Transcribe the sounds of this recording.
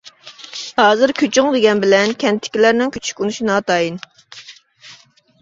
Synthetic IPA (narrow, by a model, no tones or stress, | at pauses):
hɑːzɨɾkʲʰøt͡ʃʰyŋvɪɡʲɛnbɪlɛnkʲʰɛnt̪ʰɪ̥kʲilæɾnɪŋkʲʰy̥t͡ʃʰy̥kʲunuʃinɑːt̪ʰɑjin